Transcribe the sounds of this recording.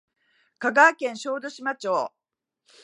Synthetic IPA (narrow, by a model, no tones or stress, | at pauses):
kaɡaːkẽ̞ɰ̃ɕo̞ːd̪o̞ɕimat͡ɕoː